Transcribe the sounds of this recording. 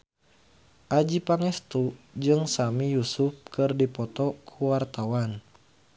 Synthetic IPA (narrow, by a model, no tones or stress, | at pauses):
ʔad͡ʒipaŋɛst̪ud͡ʒɨŋsamijusuf̚kɨrdipɔt̪ɔkʰuwart̪awan